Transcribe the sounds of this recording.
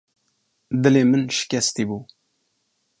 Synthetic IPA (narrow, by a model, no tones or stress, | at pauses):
d̪əlemənʃkæst̪ibu